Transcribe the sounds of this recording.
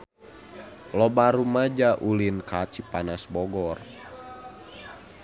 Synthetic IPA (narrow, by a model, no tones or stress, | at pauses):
lɔbaɾumad͡ʒaʔulinkat͡ʃipanasbɔɡɔr